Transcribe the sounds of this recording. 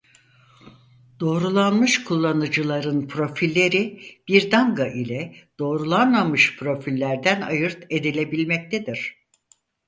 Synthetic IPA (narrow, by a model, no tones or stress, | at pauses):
d̪̥o̞ːɾulˠanmɯʃkʰulˠːanɯd͡ʒɯlˠaɾɯnpʰɾo̞filʲːe̞ɾib̥iɾd̪aŋɡaʔilʲɛd̪̥o̞ːɾulˠanmamɯʃpʰɾo̞filʲːæɾd̪ænajɯɾt̪e̞d̪ilʲe̞bilʲmɛc̚t̪ʰed̪iɾ̝̥